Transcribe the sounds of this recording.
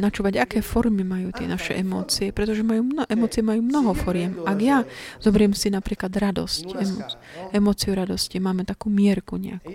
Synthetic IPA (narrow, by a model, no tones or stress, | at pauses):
nat͡ʃuːʋaɟakɛːfɔɾmimajuːt̪ɪɛ̰naʃɛ̰ʔɛmɔ̰ːt͡siɛpɾɛt̪ɔʒɛmajuːmnɔʔɛmɔːt͡siɛmajuːmnɔɦɔfɔɾɪɛmʔaɡjazɔbɛɾɪɛmsinapɾiːklad̪ɾad̪ɔ̰scɛmɔ | ɛmɔːt͡siuɾad̪ɔscimaːmɛt̪akuːmɪɛɾkuɲɛ̰aku̥